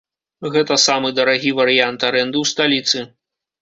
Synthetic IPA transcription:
ɣɛt̪ɐsamɨd̪ɐɾaɣʲivɐɾɨjant̪aɾɛnd̪ɨwst̪alʲit̪sɨ

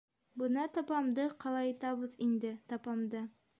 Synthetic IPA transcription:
bɤ̆nɑt̪ɒpɑmd̪ɤqɑlˠɑjɑt̪ɑβɤðind̪ɘt̪ɒpɑmd̪ɤ

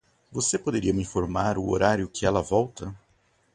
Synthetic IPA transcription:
vosepod̪eɾiɐmĩfoɾmaɾʊo̰ɾaɾjʊkɪɛlɐvɔwt̪ɐ

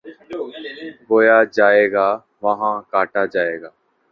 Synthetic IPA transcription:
boːjaːd͡ʒaːeːɡaː | ʋaɦãːkaːʈaːd͡ʒaːeːɡaː

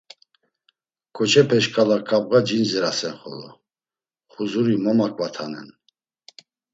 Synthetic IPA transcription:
kʰɔt͡ʃʰɛpʰɛʃkʰʼalakʰʼap̚ʼʁad͡ʒinzɛɾasɛnχɔ̰lɔ̰ | χuzuɾimɔmakʼvat̪ʰanɛ̰n

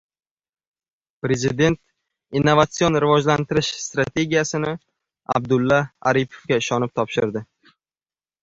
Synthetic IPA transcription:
pɾe̞zɪd̪e̞nt̪̚ | inːovat̪sio̞nɾɪvɒʒlant̪ɪɾɪʃst̪ɾat̪ʰe̞ɡʲijasɪnɪ | a̰b̚d̪ʊlːaa̰ɾipʰo̥fɡʲaɪʃɒnɪp̚t̪ʰɒpʃɪɾd̪ɪ

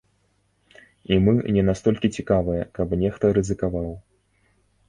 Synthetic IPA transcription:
imɨnʲɛnast̪ɔlʲkʲit͡sʲikavɨjɐkɐpnʲɛxt̪ɐɾɨzɨkavaw

